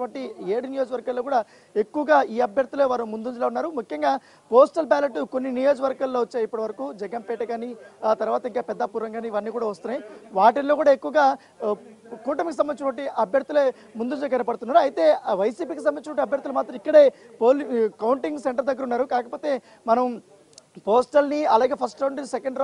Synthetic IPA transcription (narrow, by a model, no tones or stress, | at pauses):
ʋɐɳʈieːɽinijo̞ːd͡ʒɐʋɐɾɡaːlːoːkuːɽaː | ekːuʋɐɡaːiːɐbʱjɐɾt̪uleːʋaːɾumund̪und͡ʒuloːunːaːɾumukʰjɐŋɡaː | poːsʈɐlbaːleʈːkonːinijo̞ːd͡ʒɐʋɐɾɡaːlːoːʋɐt͡ʃːaːipːɐɽiʋɐɾɐkuːd͡ʒɛɡɐnpɛːʈɐɡaːniːaːt̪ɐɾuʋaːt̪ɐiŋkaːpɛd̪ːaːpuːɾʋɐŋɡaːniːʋɐnːiːkuːɽaːʋɐst̪unːajiʋaːʈɐlːo̞ːkuːɽaːekːuʋɐɡaː | kuːʈɐmkis̬ɐmɐnit͡ʃɐʈʋɐɳʈiʔɐbʱjɐɾt̪ule̞ː | mund̪und͡ʒlkɐnɐpɐɽt̪unːaːɾuɐjt̪e̞ːʋɐjsiːpiːkis̬ɐmbɐnit͡ʃɐʋɐɳʈiɐbʱjɐɾt̪ulɐmaːt̪ɾɐmikːɐɽe̞ːpoːlkɐwuɳʈiŋɡseɳʈɐɾd̪ɐɡːɐɾunːaːɾukaːkɐpo̞ːt̪e̞ː | mɐnɐm | poːsʈɐlniɐlaːɡe̞ːpʰɐsʈɐwɳʈ̪isɛkɐɳɖɾ